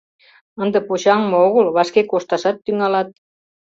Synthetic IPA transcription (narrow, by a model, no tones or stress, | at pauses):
ənd̪ə̆pot͡ɕɑŋmɤ̆oɣəlβɑʃkekoʃt̪ɑʃɑt̪ːyŋɑlɑt̪̚